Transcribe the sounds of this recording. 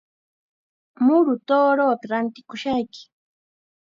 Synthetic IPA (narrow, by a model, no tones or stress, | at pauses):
mʊɾʊt̪oːɾoːpaɾant̪ɪkʊʃajkɪ̥